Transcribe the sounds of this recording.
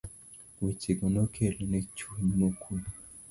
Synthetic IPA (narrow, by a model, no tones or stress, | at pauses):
wit͡ʃiɡonokʰelonet͡ʃuɲmokʰul